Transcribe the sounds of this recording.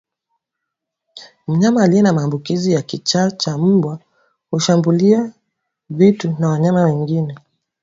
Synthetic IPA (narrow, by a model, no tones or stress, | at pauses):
m̩ɲamaːliɛnamaːmbukizijakit͡ʃat͡ʃam̩bwa | huʃambulia | vitunawaɲamawɛŋɡinɛ